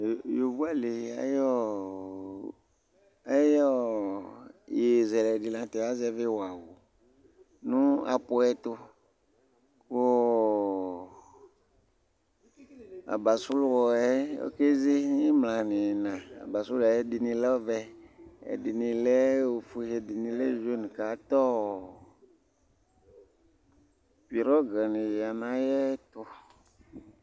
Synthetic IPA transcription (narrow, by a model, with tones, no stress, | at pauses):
jo˨vu˦a˦le˨a̰˦jɔ˦ | a˦jɔ˦ | je˨zɛ˨lɛ˨di˨lã˨t̪ɛ˨wa˦zɛ˦ve˦wa˨wo˨ | nũ˦a̰˨pʊ˦ɛ˦t̪o˦ | ko˦ | a̰˨ba˨sʊ˦lwɔ˨ɛ˦o̰˦ke˦zi˦i˦mlã˨nɪ̃˨nã˨a̰˨ba˨su˦la˨jɛ˦di˨nĩ˧lɛ˦vɛ˦ɛ̰˨dɪ˨nĩ˧lɛ˦o˨fu˨hɛ˨di˨nĩ˨le˦ʒe˦nũ˨ka˨˦t̪ɔ˦˨ | pi˨ɾɔ˦ɡa˨nĩ˨a˨nã˦jɛ˦t̪ʊ˦